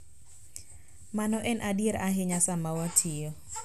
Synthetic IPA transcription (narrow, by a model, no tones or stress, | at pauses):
manɔʔɛnʔadjeɾaɦɪɲasamawatʰɪjɔ